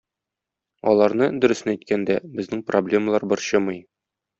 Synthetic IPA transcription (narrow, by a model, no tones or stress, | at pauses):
ɒlˠɑɾnɤd̪ɵ̆ɾɵ̆sæjt̪kænd̪æbɘ̆znɘŋproblʲe̞məlˠɑɾbɤɾɕɤmɤj